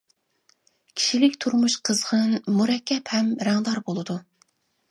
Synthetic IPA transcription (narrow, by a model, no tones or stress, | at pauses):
kʲʰi̥ʃilɪkʲt̪ʰuɾmuʃqʰəzʁənmuɾɛkʲʰːɛphɛmɾæŋd̪ɑɾbolˠɨd̪u